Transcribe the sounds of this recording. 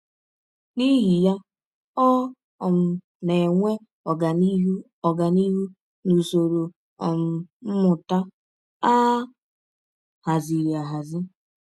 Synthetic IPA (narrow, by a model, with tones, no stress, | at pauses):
ni˦ɦi˨ja˦ | ɔ˦ | ɔ˨m̩˨ | ne˨ŋʷe˦ | ɔ˨ɡa˨ni˦ɦu˦ | ɔ˨ɡa˨ni˦ɦu˦ | nu˨so˨ɾo˨ | ɔ̰˨m̩˨m̩˦mʊ˨ta˦ | a˦ | ha˨zi˨ɾi˨a˨ɦa˨zɪ˦